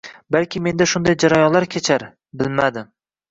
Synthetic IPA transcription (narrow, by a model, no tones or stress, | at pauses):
balkʲʰɪme̞nd̪aʃʊnd̪ajd͡ʒaɾajɒnlaɾkʲʰet͡ʃʰaɾ | bɪlmad̪ɪm